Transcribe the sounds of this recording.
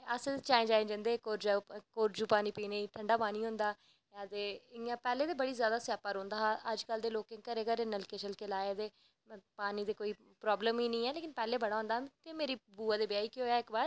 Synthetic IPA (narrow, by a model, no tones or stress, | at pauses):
əseet͡ʃaːẽːd͡ʒaːẽːd͡ʒə̃ːnd̪eːkoːɾd͡ʒaːkoːɾd͡ʒuːpaːniːpiːneːiʈʰəɳɖaːpaːniːɦʊ̃ːnd̪aː | ad̪eːãːpɛːleːd̪eːbəɽiːzjaːd̪aːsjaːpaːɾõːnd̪aːʔəd͡ʒkəld̪eːloːkẽŋkəɾeːkəɾeːnəlkeːt͡ʃəlkeːlaːet̪eː | paːniːd̪eːkoːiː | pɾɔːbləmiːnĩːɛːleːkɪnpɛːleːbəɽ̃aːɦʊ̃nd̪aːɦt̪eːmeːɾiːbuːaːd̪eːbɪjaːiːkioːjaːɪkbaːɾ